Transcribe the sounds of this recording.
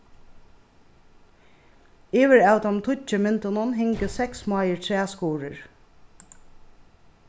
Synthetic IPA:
iːʋɪɹawt̪amt̪ʰʊt͡ʃəmɪnt̪ʊnʊnɦɪŋkəsɛksmaːjəɹt̪ʰɹɛːskuːɹɪɹ

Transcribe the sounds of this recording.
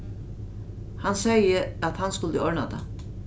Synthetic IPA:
hansɛjəæt̪hanskʊlt̪əɔɹna̰t̪a̰

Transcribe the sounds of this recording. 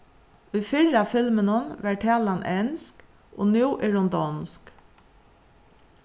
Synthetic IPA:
ʉfɪɹafɪlmənənʋæʈʰɛːlanʔɛnsk | ʔo̰ːnjuːʔɪɹɔnd̪ɔnsk

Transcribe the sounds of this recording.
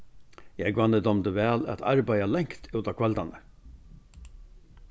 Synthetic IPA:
jɛɡʋɑnːəd̪ɔmd̪əʋæːla̰t̪ʰɑ̰ɾbæjalɛŋkt̪ʰʉːt̪ɑːkʰʋɛld̪anə

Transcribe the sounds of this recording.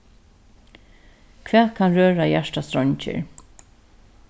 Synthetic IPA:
kʰvɛːðkʰanɾøːɹajæʂʈast̪ɾɔɲt͡ʃɪ̰ɹ

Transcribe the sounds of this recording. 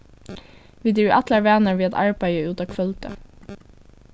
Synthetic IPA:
ʋiːd̪iːʔæt̪ləɹʋæːnəɹʋiːɑt̪ɑ̰ɹbæɪəʉːt̪ɑːkʰʋœlt̪ə̰

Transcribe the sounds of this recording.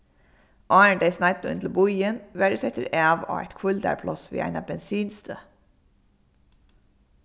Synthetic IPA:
ʔɑːəɳɖeɪsnɑɪt̪ʊʉ̰nt̪l̩bʊjənʋæɖəsɛt̪əɾæːʋo̰ːæ̰ɪt̪kʰʊld̪æ̰ɹpʰlɔsʋḭːæ̰ɪnɑbɛnsiːnst̪øː

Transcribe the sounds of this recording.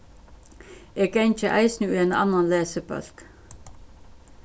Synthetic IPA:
eːɡeɪnt͡ʃəʔæɪsnʉːeːnɑ̰nɑnleːsəbœ̰lk

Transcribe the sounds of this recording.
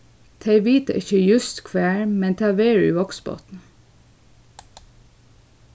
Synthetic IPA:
t̪ʰeɪʋiːt̪ə̰ʔɪçəjʉst̪kʰʋæːɹmɛnt̪ʰɑːʋeːɹʉ̰ːʋɔksbo̰ːt̪n̩

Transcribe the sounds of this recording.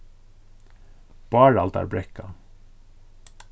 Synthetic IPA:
b̥ɑːɾɑlt̪æ̰ːɾbɾɛkɑ

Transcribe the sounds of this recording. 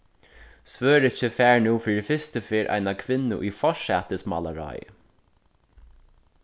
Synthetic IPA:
svøːɾɪt͡ʃəfæːɹnuːfiːɾɪfɪst̪əfɪːɾʔa̰jnakʰʋɪnːʊ̰ʔifɔʂɛːt̪ɪsma̰laɾa̰ːj

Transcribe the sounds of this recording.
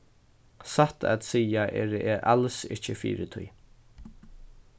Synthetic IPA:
sat̪a̰t̪siːaʔɛ̰ːɾɛʔalsɪht͡ʃəfḭːɾɪt̪ʰʊ̰j

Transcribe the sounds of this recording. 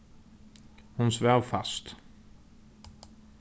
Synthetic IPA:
hʊnsvœʁfast̪

